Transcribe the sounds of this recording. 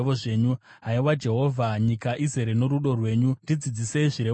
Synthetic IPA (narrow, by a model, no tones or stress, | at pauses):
oʐe̞ːɲu | ɦaiwad͡ʒe̞ɦo̞vʱaɲikaʔizeɾeno̞ɾuɗo̞rwe̞ːɲundid͡zid͡zise̞iʐiɾe